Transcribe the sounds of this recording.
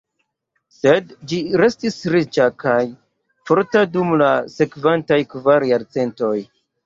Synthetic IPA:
se̞dd͡ʒiɾe̞stisɾit͡ʃakaj | fo̞ɾtadumlase̞kventajkvaɾjaɾt͡se̞nto̞j

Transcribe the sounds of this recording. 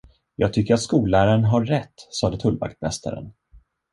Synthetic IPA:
jɑ̰ːɡ̚t̪ʰʏkːəɾat̪skuːlæːɾaənɦaːɛt̪ːsɑːd̪ət̪ʰɵlva̰kt̪mɛ̰st̪ʰa̰ɾə̰n

